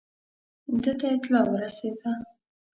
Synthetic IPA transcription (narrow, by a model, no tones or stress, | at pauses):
d̪ət̪aɪt̪lɑwəɾased̪a